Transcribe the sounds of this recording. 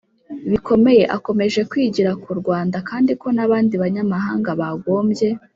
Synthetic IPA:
βikʰo̞me̞je̞ʔako̞me̞ʒe̞kwiːɟiɾakuɾɡwaːndakaːndiko̞naβaːndiβaɲamaɦaːŋɡaβaɡo̞ːmbje̞

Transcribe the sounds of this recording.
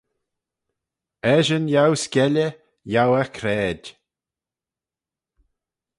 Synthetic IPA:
ɛʒənjawskʲɛlə | jawəkʰɾɛːd

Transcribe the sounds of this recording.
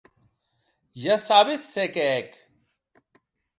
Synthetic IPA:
jɐsaːbisːekek

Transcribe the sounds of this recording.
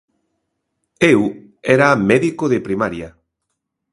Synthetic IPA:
ew | ɛɾamɛðikoðepɾimaɾjɐ

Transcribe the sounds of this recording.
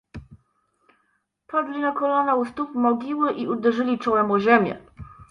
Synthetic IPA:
pʰɔd̪lʲinakɔlanaust̪upmɔɡʲiwɘʔiʔud̪ɛʐɘlʲit͡ʂɔwɛmɔʑemʲɛ̰

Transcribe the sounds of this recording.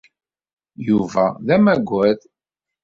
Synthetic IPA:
juvæðæmæɡʷæð

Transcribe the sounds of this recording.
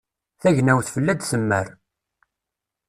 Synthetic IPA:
θæʝnæwθfəlːæd̪səmːə̰ɾ

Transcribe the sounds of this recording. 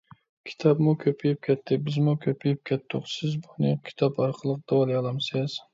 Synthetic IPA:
kʲʰi̥t̪ʰɑbmukʲʰøpʰijɪp̚kʲʰɛt̪ʰːɪbɪzmukʲʰøpʰijɪp̚kʲʰɛt̪ːʊqsɪzbunɪkʲʰi̥t̪ʰɑpɑɾqʰəlˠəq̚d̪̥ɑwɑlˠijɑlˠɑmsɪz̥

